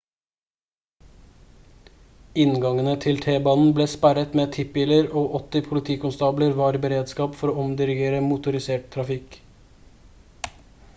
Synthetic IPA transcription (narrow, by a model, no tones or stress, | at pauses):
ɪnɡɑŋənət̪ʰɪlt̪ʰeːbɑːnn̩bleːspæɾət̪meːt̪ʰɪpɪləɾoːʔɔt̪ɪpʰʊlɪt̪ʰiːkʊnst̪ɑːbləɾʋɑːɾbəɾeːd̪skɑːpfɔɾoːɔmd̪ɪɾɪɡeːɾəmʊt̪ʊɾɪseːʈ̚t̪ʰɾɑfɪk